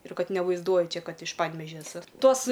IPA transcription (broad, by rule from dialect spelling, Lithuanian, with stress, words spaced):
ɪr ˈkɐt nʲɛʋɐɪzˈduɔjʊ ˈt͡ʃʲɛ ˈkɐt ɪʃ ˈpɐnʲʋʲɛʒʲɛ ɛˈsʊ ˈtoːs